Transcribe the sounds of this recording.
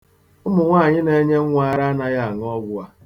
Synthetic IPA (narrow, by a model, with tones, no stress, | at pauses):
ʊ˦mʊ˨ŋʷa˦˨ɲɪ˦ne˦ɲe˦ŋʷa˨ɾa˦a˦na˦ja˦˨ŋ˦ɔ˦ɡʷʊ˦a˦